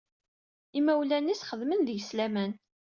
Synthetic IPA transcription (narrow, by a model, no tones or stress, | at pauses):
imæwlænːisχəðmənðəʝslæmæn